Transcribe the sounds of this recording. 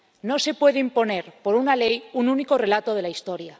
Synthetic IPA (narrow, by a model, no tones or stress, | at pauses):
no̞se̞pwe̞ðeimpo̞ne̞ɾpo̞ɾunalejununikore̞lat̪oð̞e̞laist̪o̞ɾja